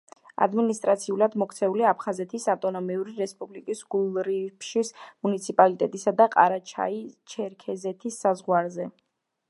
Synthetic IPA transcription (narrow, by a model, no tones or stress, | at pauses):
a̰d̪minist̪ʼɾat̪sʰiulad̪mɔkʰt̪sʰɛuliapʰχazɛt̪ʰisaft̪ʼɔnɔmiuɾiɾɛspʼublikʼisɡ̥ulˠɾipʃismunit̪sʰipʼalit̪ʼɛt̪ʼisad̪aqʼa̰ɾat͡ʃʰa̰it͡ʃʰɛɾkʰɛzɛt̪ʰisːazʁwaɾzɛ